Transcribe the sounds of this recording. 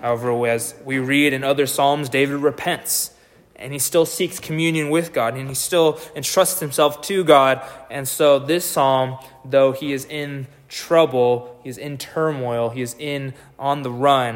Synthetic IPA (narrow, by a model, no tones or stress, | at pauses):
haʊɛvə˞ɨzwiɹiɾɨ̃nʌðə˞sɑlˠmzdeɪvɨd̚ɹɨpʰɛ̃nts | ʔɨ̰̃nistɪlˠsikskʰmjʉ̃njɨ̃nwɪðɡɑɾɨ̃nistɪlˠɨ̃ntʰɹ̥ʌstshɨ̃msɛlˠftʰɨɡɑɾʔɨ̃nsoʊðɪsɑlˠmðoʊiɨzɪ̃n | tʰɹ̥ʌbl̩ˠhiɨzɪ̃ntʰɜ˞mɔɪl̩ˠiɨzɪ̃n | ʔə̃nðəɹʌ̃n